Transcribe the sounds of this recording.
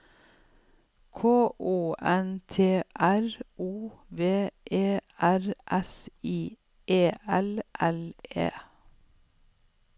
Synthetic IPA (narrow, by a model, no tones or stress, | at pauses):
kʰoːʔuːʔɛnt̪ʰeːʔæɹʔuːʋeːʔeːæɹʔɛsiː | ʔeːʔɛlʔɛlḛː